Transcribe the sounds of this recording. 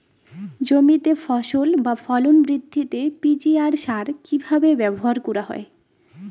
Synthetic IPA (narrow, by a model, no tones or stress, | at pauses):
d͡ʑomit̪efɔʃolbafɔlonbɾid̪ʱːit̪epid͡ʑiaɾʃaɾkibʱabebɛboɦaɾkuɾaɦɔ̰e